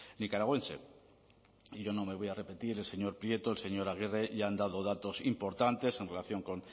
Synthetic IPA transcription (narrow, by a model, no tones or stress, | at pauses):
nikaɾaɣwe̞nse̞̰ | iʝo̞no̞me̞β̞o̞jare̞pe̞t̪iɾe̞lse̞ɲo̞ɾpɾje̞t̪oelse̞ɲo̞ɾaɣ̞ireʝand̪að̞o̞ð̞at̪o̞simpo̞ɾt̪ant̪e̞se̞nre̞laθjo̞ŋko̞n